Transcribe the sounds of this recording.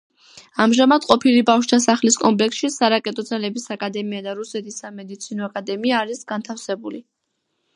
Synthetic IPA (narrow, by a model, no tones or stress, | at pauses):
amʒamad̪qʼɔpʰilibafʃd̪ʰasaχliskʼɔmpʼlɛksʃisaɾakʼɛt̪ʼɔd̪zalɛbisakʼad̪ɛmiad̪aɾusɛt̪ʰisamɛd̪it̪sʰinɔakʼad̪ɛmiaːɾisɡant̪ʰafsɛbuli